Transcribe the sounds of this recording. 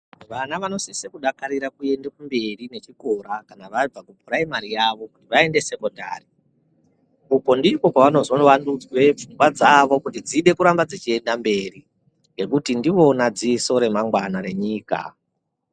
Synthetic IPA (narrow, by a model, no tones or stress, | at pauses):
ʋanaʋano̞sisekuɗakaɾiɾakue̞ndekumbe̞rine̞t͡ʃiko̞ɾakanaʋab͡vakubuɾaimaɾijaʋo̞kutiʋae̞nde̞se̞ko̞nda̰ːri | uko̞ndiko̞kaʋano̞zoʋandud͡zwe̞p͡fuŋɡwad͡zaʋo̞kutid͡ziɗe̞kuɾambad͡zit͡ʃie̞ndambe̞ri | ŋɡe̞kutindiʋo̞nad͡ziso̞ɾe̞maŋɡwanaɾe̞ɲiːka̰